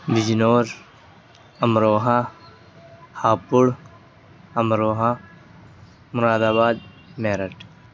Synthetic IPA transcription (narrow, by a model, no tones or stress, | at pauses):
ʋɪd͡ʒnoːɾ | ɐmɾoːɦã | haːpʊɽ | ɐmɾoːɦã | mʊɾaːd̪aːbaːd̪̚ | meːɾəʈ